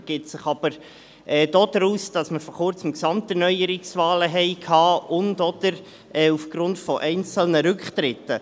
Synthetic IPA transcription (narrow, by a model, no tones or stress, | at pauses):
ɡ̥ɪtsɪχɑb̥əɾ | ɛːd̥oːd̥ɾuːsd̥ɑsməɾfɔχʊɾt͡səmksɑmtɛɾnœʏəɾɪksvɑːləɦɛɪkʰhɑːʊndɔd̪̥əɾ | ɛːufɡ̥ɾʊntfɔʔɛɪnt͡səl̩nəɾʏkχt̪ɾɪtːə